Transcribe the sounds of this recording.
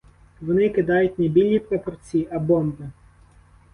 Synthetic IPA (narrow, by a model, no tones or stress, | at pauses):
ʋɔnɪkɪd̪ɑjʊtʲnebʲilʲnʲipɾɔpɔrt͡sʲiʔɐbɔmb̪ɪ